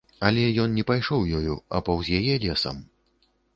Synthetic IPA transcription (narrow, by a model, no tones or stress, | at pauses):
ɐlʲɛjɔnnʲɛpajʂɔwjɔjuɐpɐwzʲjajɛlʲɛsɐ̰m